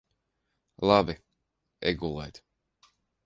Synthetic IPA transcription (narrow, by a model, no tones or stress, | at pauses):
lˠabi | ɛ̰ɡulˠɛjt̪